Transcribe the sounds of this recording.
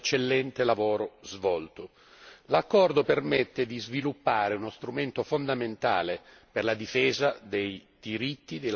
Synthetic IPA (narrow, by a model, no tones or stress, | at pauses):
t͡ʃːelːɛnt̪elavɔːɾozvɔlt̪o | lakːɔrd̪opermet̪ːed̪izvilupːaːɾeunost̪ɾument̪ofond̪ament̪a̰ːle | perlad̪ifɛːzad̪ejd̪̥iɾit̪ːid̪e